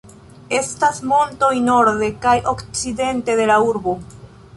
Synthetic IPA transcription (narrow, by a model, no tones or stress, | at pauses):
e̞stasmo̞nto̞jno̞ɾðe̞kajʔo̞kt͡side̞nte̞de̞lauɾbo